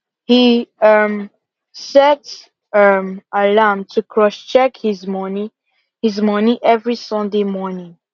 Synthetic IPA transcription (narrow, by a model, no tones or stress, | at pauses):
hiʌm | sɛt | ʌmalamtʰukʰɹɔst͡ʃɛkhizmɔni | hizmɔnĩʔɛvɹisʌ̃ndemɔnĩŋ